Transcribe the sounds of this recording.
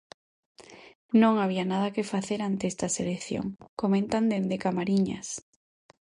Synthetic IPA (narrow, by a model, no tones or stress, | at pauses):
nõŋaβ̞ianaðɐkefaθeɾant̪eest̪ɐselekθjo̰ŋkomẽnt̪and̪end̪ekamaɾiɲa̰s